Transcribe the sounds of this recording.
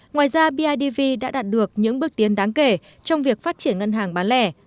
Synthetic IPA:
ŋwaː˨˩jzaː˧ɓi˧ʔaː˧jɗi˧vi˧ɗa̰ː˧˥ɗaː˨˩t̚ɗɨ˨˩ək̚ɲɨ̰˧˥ŋɓɨ˦˥ək̚t̪i˨˦ənɗaː˨˦ŋke˧˩ | t͡ɕɔ˧wŋ͡mvi˨˩ək̚faː˦˥t̚t͡ɕi˧˩ənŋə˧nɦaː˨˩ŋɓaː˨˦nlɛ˧˩

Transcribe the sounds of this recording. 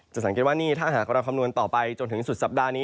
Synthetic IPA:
t͡ɕa˨˩sa˩˦ke˨˩t̪̚waː˥˩niː˥˩t̪ʰaː˥˩ɦaː˨˩k̚ɾaː˧kʰa˧mnu˧ənt̪ɔː˨˩pa˧jt͡ɕo˧nt̪ʰɯ˩˦ŋsu˨˩t̪̚sa˨˩p̚daː˧niː˦˥

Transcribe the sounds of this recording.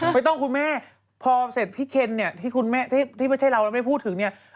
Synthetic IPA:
ma˧jt̪ɔ˥˩ŋkʰu˧nmɛː˥˩ | pʰɔː˧se˨˩t̪̚pʰiː˥˩kʰe˧nːi˥˩ɐt̪ʰiː˥˩kʰu˧nmɛː˥˩t̪ʰi˥˩t̪ʰi˥˩a˥˩jt͡ɕʰa˥˩jɾa˧wlɛ˦˥˩ma˥˩pʰuː˥˩t̪ʰːɯ˩˦ŋni˥˩ɐ

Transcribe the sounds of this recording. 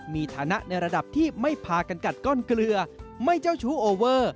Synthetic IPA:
miː˧t̪ʰaː˩˦na˦˥ʔna˧jɾa˧da˨˩p̚t̪ʰiː˥˩ma˥˩jpʰaː˧ka˧nka˨˩t̪̚kɔː˥˩nklɯ˧ɐma˥˩jt͡ɕa˥˩wt͡ɕʰuː˦˥ʔoː˧wɤː˥˩

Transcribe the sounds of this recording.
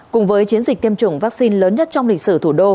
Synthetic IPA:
kʊ˨˩ŋ͡mvəː˨˦jt͡ɕi˨˦ənzi̟˨˩t̪i˧əmt͡ɕʊ˧˩ŋ͡mvaː˦˥k̚si˧nləː˨˦nɲə˦˥t̚t͡ɕɔ˧wŋ͡mlï˨˩k̟̚sɨ̰˧˩t̪ʰu˧˩ɗo˧

